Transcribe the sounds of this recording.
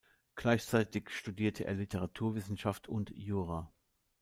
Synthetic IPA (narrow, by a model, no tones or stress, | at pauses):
ɡ̥laɪçt͡saɪtɪçʃtudiːɐtʰəʔḛːɐlɪtʰəʁ̞atʰuːɐvɪsn̩ʃaftʰʊntjuːʁaː